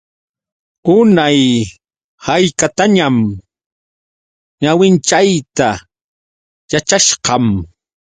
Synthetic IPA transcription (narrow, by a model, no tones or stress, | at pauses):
ʊnaj | hajkat̪aɲam | ɲawɪnt͡ʃajt̪a | jat͡ʃaʃqɑm